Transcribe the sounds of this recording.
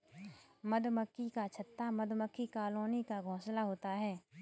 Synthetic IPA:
məd̪məkːikat͡ʃʰət̪ːamɐd̪məkʰːikaːloːnekaɡʱõːslaɦoːt̪aɦɛː

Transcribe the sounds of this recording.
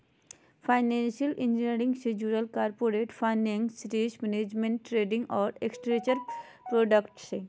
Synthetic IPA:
fʰajnenʃialʔind͡ʑineɾiŋsed͡ʑuɾalkaɾpoɾeʈfanɖiŋsiʈismɛned͡ʑmeɳʈːɾeɖiŋɔɾeksʈɾet͡ɕaɾ | pɾoɖakʈse

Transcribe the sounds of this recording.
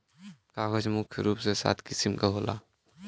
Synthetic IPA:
kaːɦod͡ʒmʊkʰjəɾuːpsesa̰ːt̪ʰkɪsimkaɦola̰ː

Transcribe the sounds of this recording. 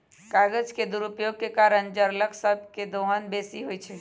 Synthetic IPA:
kaɡəd͡ʒked̪uɾupjoɡ̚kekaɾənd͡ʒəɾləksəb̚ʱked̪oɦənbesiɦojt͡ʃʰɛ

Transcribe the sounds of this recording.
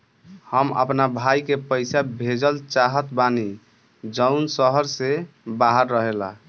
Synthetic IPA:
həmə̰pnabʱajkepəjsabʱed͡ʒəlt͡ʃaɦət̪bani | d͡ʒəwnsəɦəɾsebaɦəɾːəɦela̰

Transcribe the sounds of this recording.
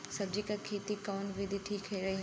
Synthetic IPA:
sɐb̚d͡ʒikakʰeːt̪ikaːnʋɪd̪ʱiʈʰiːkʰːɐiɾɐɦiɦ

